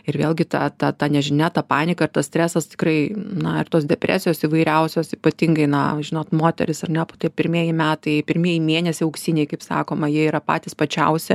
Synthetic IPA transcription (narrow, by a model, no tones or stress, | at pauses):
ɪɾʋʲeːlʲˠɡʲɪt̪ɑ̰t̪ɐt̪ɑnʲɛʒʲɪnʲæt̪ɑpɑːnʲɪkɐɪrt̪ɐsʲt̪ʲɾʲæːsɐst̪ʲɪ̥krɐɪnɐɪrt̪oːsd̪ʲɛpʲɾʲʔæ̰ːsʲɪjoːsiʋɐɪɾʲɛʊsʲoːsiːpɐt̪ʲɪŋɡɐɪnɐ̰ʒʲɪnoːt̪moːt̪ʲɛ̰ɾʲɪsɐrnʲɛpoːt̪iɛpʲɪɾʲmʲiɛjɪmʲæːt̪ɐɪpʲɪɾʲmʲiɛjɪmʲeːnʲɛsʲɪɐʊksʲiːnʲeɪkɐɪpsɑ̰ːkoːmɐjiɛiːɾɐpɑ̰ːt̪ʲiːspɐt͡ʃʲɛʊsʲɛ